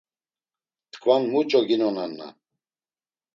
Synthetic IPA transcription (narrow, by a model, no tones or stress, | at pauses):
tt̪ʰkʰvanmut͡ʃʼɔɡinɔnanːa̰